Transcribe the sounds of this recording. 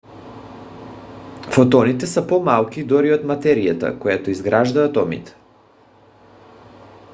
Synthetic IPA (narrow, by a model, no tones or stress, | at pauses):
fot̪ɔnit̪ɛsapɔmalˠkʲid̪ɔɾiot̪mat̪ɛɾijat̪a̰kojat̪oizɡɾaʒd̪aːt̪ɔmḭt̪ɛ̥